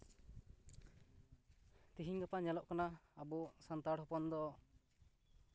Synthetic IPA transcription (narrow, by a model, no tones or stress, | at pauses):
t̪iɦiɲɡapaɲɛlɔʔkanaːbɔsant̪aɽhɔpɔnd̪ɔɔ